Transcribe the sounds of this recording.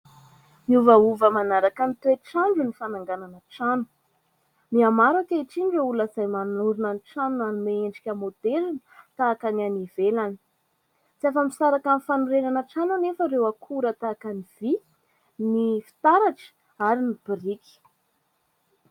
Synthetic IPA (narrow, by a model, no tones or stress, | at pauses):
miuvauvəmanaɾakanit̪eʈ͡ʂaɳɖ͡ʐunifanaŋɡananəʈ͡ʂanu̥ | miamaɾakaiʈ͡ʂinɖ͡ʐouləzajmanuɾinaniʈ͡ʂanuanumeeɳɖ͡ʐikʲəmod̪eɾinət̪aːkanianivelani̥ | t͡siafamisaɾakanifanuɾenanəʈ͡ʂanunefəɾewakʰuɾət̪akaniv̥i | nifi̥t̪aɾaʈ͡ʂə̥ | aɾinib̥iriki̥